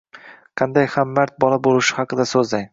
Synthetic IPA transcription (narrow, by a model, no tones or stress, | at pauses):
qʰɑnd̪ajχamːaɾt̪̚bɒlˠabolˠɪʃɪ̥hɑqɨd̪asɵzd̪aj